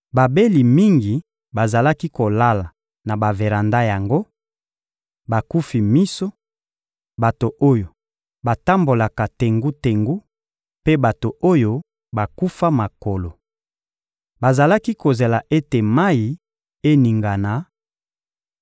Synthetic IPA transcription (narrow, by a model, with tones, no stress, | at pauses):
ba˨be˦li˨mi˦ŋɡi˨ | ba˨za˨la˦ki˦ko˨la˦la˨ | na˨ba˨ve˨ʁa˨nda˦ja˨ŋɡo˦ | ba˨ku˦fi˨mi˦so˦ | ba˨to˨ʔo˦jo˨ | ba˨ta˦mbo˨la˨ka˨te˨ŋɡu˦te˨ŋɡu˦ | pe˦ba˨to˨ʔo˦jo˦ | ba˨ku˦fa˦ma˨ko˨lo˨ | ba˨za˨la˦ki˦ko˨ze˨la˨ʔe˦te˨ma˦i˨ | e˦ni˨ŋɡa˨na˨˦